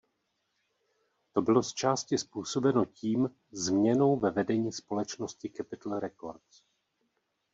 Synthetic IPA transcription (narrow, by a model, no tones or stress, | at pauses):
t̪o̞bɪlo̞st͡ʃaːscɪspuːso̞bɛno̞ciːm | zmɲɛno̞wvɛvɛdɛɲiːspo̞lɛt͡ʃnoscɪkɛpɪt̪l̩ɾɛko̞̰ɾt̪s